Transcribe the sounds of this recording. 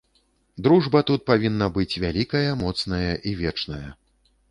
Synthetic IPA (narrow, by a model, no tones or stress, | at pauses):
d̪ɾuʐbɐt̪ut̪̚pavʲinːɐbɨt͡sʲvʲalʲikɐjɐmɔt̪snɐjɐʔivʲɛt͡ʂnɐjɐ̰